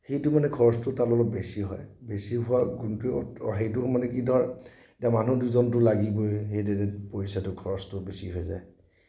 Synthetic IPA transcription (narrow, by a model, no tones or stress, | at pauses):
xejtʊmanɛkʰɔɹɔstʊtalɔlɔk̚besiɦɔ̰jbesiɦʊaɡuntuɔɔɦejtʊmanɛkidɔɹ | tamanuduzɔnt̬ʊlaɡibojxejdeɛpoisatʊkʰɔɹɔstʊbesiɦɔjza̰j